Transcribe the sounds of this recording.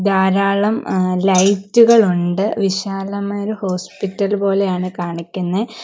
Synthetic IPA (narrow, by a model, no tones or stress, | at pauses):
d̪aːɾaːɭɐmlɐjtːuɣɐɭuɳɖɨʋiɕaːlɐmajɾuho̞ːspitːɐlbo̞ːle̞jaːɳɨkaːɳikʲːunːɐ